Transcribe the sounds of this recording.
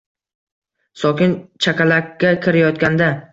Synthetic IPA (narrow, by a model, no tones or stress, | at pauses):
sɒkʲɪnt͡ʃʰakʲalakʲːakʲʰɪɾajɒt̪̚kʲand̪a